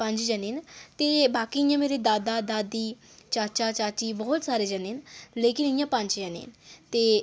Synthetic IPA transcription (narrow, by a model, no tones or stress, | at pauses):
pə̃ɲd͡ʒd͡ʒənint̪eːbaːkiɪjãːmeːɾed̪aːd̪aːd̪aːd̪iː | t͡ʃaːt͡ʃaːt͡ʃaːt͡ʃiːbɔːt̪saːɾeːd͡ʒəninleːkɪnɪjãːpə̃ɲt͡ʃd͡ʒənḭːnt̪eː